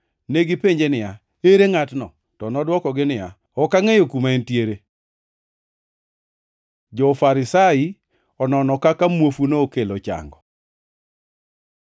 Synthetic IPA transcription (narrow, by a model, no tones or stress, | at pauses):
neɡɪpeɲd͡ʒenɪja | eɾeŋatnɔ̰ | tɔnɔdwɔkɔɡɪnɪja | ɔkaŋejokumaentjeɾe | d͡ʒɔfaɾɪsai | ɔnɔnɔkakamwofunookelot͡ʃa̰ŋɡɔ